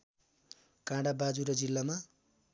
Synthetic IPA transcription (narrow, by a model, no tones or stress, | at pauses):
kãɽabad͡zuɾʌd͡zilːama